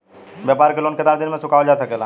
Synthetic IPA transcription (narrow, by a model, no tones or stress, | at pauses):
ʋjaːpaːɾkelonked̪aɾd̪ɪnmẽsʊkaːod͡ʒaːsɐkeːla